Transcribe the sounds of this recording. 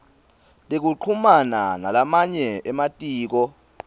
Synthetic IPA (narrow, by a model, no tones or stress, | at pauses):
tʼek̬uǃʰumananalamaɲɛɛmatʼiːk̬ɔ